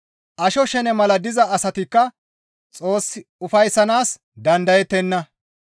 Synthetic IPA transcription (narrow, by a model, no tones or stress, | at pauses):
ʔɐʃɔʃɛnɛmɐlɐd̪ɪzɐːsɐt̪ɪkːɐ | t͡sʼo̞ːsːɪʊfɐjsːɐnaːs | d̪ɐnd̪ɐjɛt̪ːɛnːɐ